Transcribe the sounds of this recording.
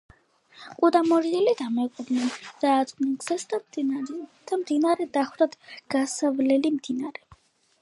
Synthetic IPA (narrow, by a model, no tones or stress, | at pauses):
qʼud̪amɔɾiɛlid̪amɛqʼɔb̪nɛnd̪̥aːt̪sʼnɛlɡz̥ɛsd̪ | d̪̥amd̪inaɾɛd̪aχwɾad̪ɡ̥asavlɛlimd̪inaɾɛ